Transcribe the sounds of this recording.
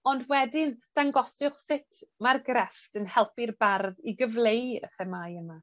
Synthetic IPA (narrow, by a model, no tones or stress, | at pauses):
ɔndwɛdɪnd̥aŋɡɔsɪχsɪtʰmarɡɾɛftənhɛlˠpirbarðiɡəvlˠejə̰θɛmajəma